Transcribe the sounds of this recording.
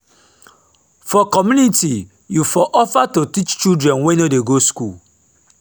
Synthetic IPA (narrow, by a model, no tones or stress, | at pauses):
fɔkɔmjuniti | jufɔʔɔfatotit͡ʃt͡ʃudɹɛ̃nwɛ̃nodeɡoskul